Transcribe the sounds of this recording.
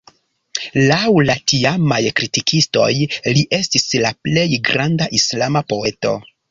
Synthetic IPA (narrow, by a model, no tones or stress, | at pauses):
lawlatiamajkɾitikisto̞̰jliʔe̞stislaple̞jɡɾandaʔislamapo̞e̞to̞̰